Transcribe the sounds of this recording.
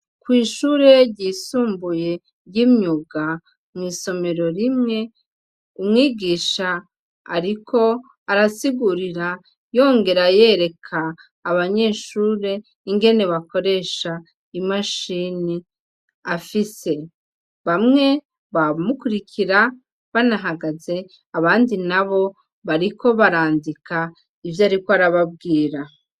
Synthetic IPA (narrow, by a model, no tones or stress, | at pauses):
kwiːʃuɾe̞ɾɟiːsuːmbuje̞ | ɾɟimɲuɡa | mŋiːso̞me̞ɾo̞ɾimŋe̞ | umŋiːɡiːʃa̰ː | ɾikʰo̞ | aɾasiɡuɾiɾa | jo̞ːŋɡe̞ɾaje̞ɾe̞kʰaː | βaɲe̞ːʃuːɾe̞ | iŋɡe̞ne̞βako̞ɾe̞ʃa | imaʃini | afise̞ | βamŋe̞ | βamukuɾikʰiɾa | βanaɦaɡaze̞ | aβaːndinaβo̞ | βaɾikʰo̞βaɾaːndikʰa | ivjaːɾikoaɾaβab̚ɡiːɾa